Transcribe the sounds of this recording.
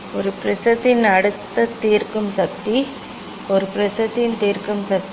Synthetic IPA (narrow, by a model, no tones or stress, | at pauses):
ɔɾɯpɾɪsɐðɪnɐɽɯt̪ːɐt̪iːrkɯmsɐk̚t̪ːi | ɔɾɯpɾɪsɐðɪnt̪iːrkɯmsɐt̪